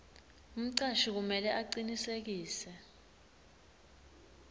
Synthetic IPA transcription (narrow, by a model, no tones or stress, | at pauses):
um̩ǀaʃik̬umɛlɛʔaǀinisek̬iːsɛ